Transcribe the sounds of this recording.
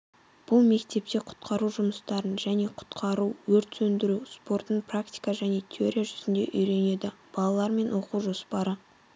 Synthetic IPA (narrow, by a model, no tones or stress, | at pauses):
b̥ʊlˠme̞kt̪e̞p̚t̪e̞qʰʊ̥t̪qʰɑɾuwʒʊməst̪ɑɾənʒæne̞qʰʊ̥t̪qʰɑɾuwɵɾt̪sɵnd̪ɪɾuspo̞ɾt̪əɴprakt̪ʲi̥kaʒæne̞t̪ʲʰeo̞ɾʲijaʒʏzɪnd̪e̞̰ʔʏjɾe̞ne̞d̪ɪb̥ɑlˠɑlˠɑɾme̞nwo̞quwʒo̞spɑɾə